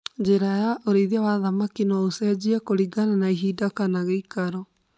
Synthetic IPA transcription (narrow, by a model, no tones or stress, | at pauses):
d͡ʑeɾajaʔoɾeiðiawaðamakinɔosɛd͡ʑiakoɾiɡananaiɦiːdakanaɣeikaɾɔ